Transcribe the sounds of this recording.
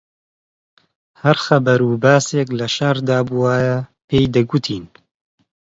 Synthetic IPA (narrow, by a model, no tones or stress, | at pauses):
hɐɾxɐbɐɾuːbaːseːklɐʃaɾd̪aːbuwaːjɐpeːjd̪ɐɡut̪ʰiːn